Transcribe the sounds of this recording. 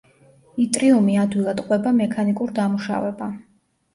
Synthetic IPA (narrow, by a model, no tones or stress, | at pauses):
it̪ʼɾiumiad̪wilˠad̪qʼwɛbamɛkʰanikʼuɾd̪amuʃa̰vɛba